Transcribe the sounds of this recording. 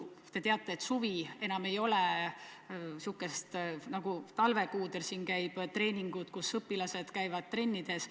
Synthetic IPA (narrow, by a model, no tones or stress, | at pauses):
t̪e̞t̪eɑt̪ˑːe̞ːt̪suvie̞nɑme̞jo̞le | sukːˑest̪nɑɡ̥ut̪ɑlve̞kuːd̪elsiːnkæjb̥t̪ɾe̞ːnʲiŋɡ̥ut̪kusɤpːilɑse̞d̪̥kæjvɑd̪̥̚t̪ːre̞nʲːid̪̥e̞s